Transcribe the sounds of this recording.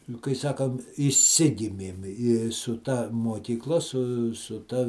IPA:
nʊ kɐɪ ˈsɑːkɐm ɪʃʲˈsʲɪɡʲɪmʲeːm ɪ sʊ ˈtɐ muɔkʲiːkˈlˠɐ sʊ sʊ tɐ

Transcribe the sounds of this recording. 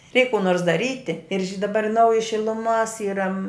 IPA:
ˈrʲɛɪk kuː ˈnoːrs dɐˈrʲiːtʲɪ ɪr ʒʲɪ dɐˈbɐr ˈnɐʊjɪ ʃʲɪlˠʊˈmoːs ˈiːrɐ

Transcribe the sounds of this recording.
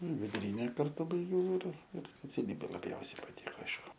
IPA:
ʋʲɪdʊˈrʲiːnʲɛ kɐrˈtʊ bɐɪˈɡʲɛʊ ɪr ɪr sʲpʲɛt͡sʲɛˈlʲiːbʲeː lˠɐˈbʲjɛʊsʲɛɪ pɐˈtʲɪkoː ˈɐɪʃkʊ

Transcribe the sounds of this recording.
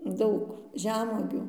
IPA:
ˈdɐʊk ˈʒʲæːmuɔɡʲuː

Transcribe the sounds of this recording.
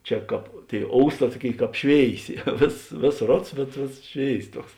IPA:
ˈt͡ʃʲɛ ˈkɑːp ˈtʲeːɪ ˈoːʊsˌtɑː ˈtuɔˌkʲeːɪ ˈkɑːp ˈʃʲʋʲeːɪˌsʲeː ˈʋʲeːsoːs ˈʋʲeːsoːs ˈroːts bʲɛt ˈʋʲeːsoːs ˈʃʲʋʲeːɪs ˈtuɔks

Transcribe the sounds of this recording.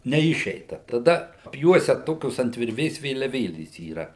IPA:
nʲɛˈɪʃʲɛɪtɐ tɐˈdɐ ɐpʲˈjuɔsʲɛ ˈtoːkʲoːs ɐnt ʋʲɪrʲˈʋʲeːs ʋʲeːlʲɛˈʋʲeːlʲeːs iːˈrɐ

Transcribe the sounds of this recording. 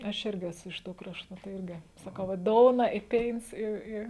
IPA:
ɐʃ ˈɪrʲɡʲɪ ˈæːsʊ ɪʃ ˈtuː ˈkrɑːʃtʊ tɐɪ ˈɪrʲɡʲɪ sɐˈkɐʊ ʋɐ ˈdoːʊnɐ ɪ ˈpʲeːɪns ˈɪ ˈɪ

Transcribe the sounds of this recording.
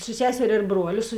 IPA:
sʊ ˈsʲæːsʲɛrʲeː ɪr ˈbruɔlʲʊ sʊ

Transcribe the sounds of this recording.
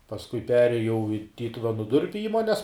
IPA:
pɐsˈkʊɪ ˈpʲæːrʲeːjɛʊ ɪ ˈtʲiːtʊʋʲɛnʊ ˈdʊrʲpʲʊ ˈiːmoːnʲɛs

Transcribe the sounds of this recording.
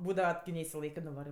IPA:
ˈbuːdɐʋɐ kʲɪ nʲɛɪsʲɪˈlˠɐɪkɜ nʊˈʋɑːrɜ

